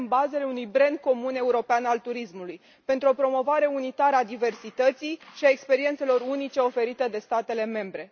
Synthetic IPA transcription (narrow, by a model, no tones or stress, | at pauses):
nbaze̞le̞unujbɾend̪̚ko̞mune̞uɾo̞peanalt̪uɾismuluj | pe̞nt̪ɾuo̞pɾo̞mo̞vaɾe̞unit̪aɾəad̪ive̞rsit̪ət̪sijʃiaekspe̞ɾie̞nt̪selo̞ɾunit͡ʃe̞o̞fe̞ɾit̪ed̪e̞st̪at̪e̞le̞me̞mbɾe̞